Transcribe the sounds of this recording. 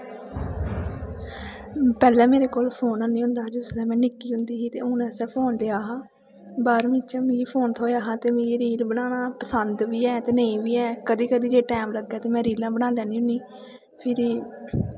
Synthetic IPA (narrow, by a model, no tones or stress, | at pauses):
pɛːlɛ̃ːmeːɾeːkoːlpʰoːnãːnĩːɦʊ̃nd̪aːd͡ʒʊslɛ̃ːmɛ̃ːnɪkːiːɦʊ̃nd̪iːɦiːt̪ḛːʊnɛːsɛ̃ːpʰoːnleaːɦãː | baːɾmĩt͡ʃãːmĩiːpʰoːnt̪ʰoːjaːɦãːt̪eːmĩːeɾiːlbəɽaːnaːpəsənd̪ʋiːɛːt̪eːnəĩːbiːɛːkəd̪iːkəd̪iːd͡ʒeːʈɛːmləɡːɛːt̪eːmɛ̃ːɾiːlãːbənãːljɛ̃ːnĩːɦʊniː | pʰɪɾiː